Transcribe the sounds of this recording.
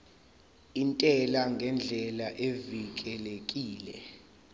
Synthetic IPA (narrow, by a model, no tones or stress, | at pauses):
intʼɛlaŋɡʱɛnd͡ɮʱɛlaʔevik̬ʼɛlek̬ʼiːlɛ̰